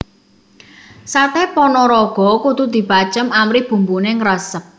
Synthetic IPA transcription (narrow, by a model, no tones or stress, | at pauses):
sat̪ɛpɔnɔɾɔɡ̥ɔ̤kut̪ud̪̥i̤b̥at͡ʃəmamɾihb̥ṳmbuneŋɾəsəp̚